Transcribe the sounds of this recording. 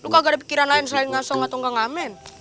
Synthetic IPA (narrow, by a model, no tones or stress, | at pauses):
lukaɡadip̬i̥kiɾanlaɪnslaɪnŋasɔŋat̪ɔŋɡaŋamɛn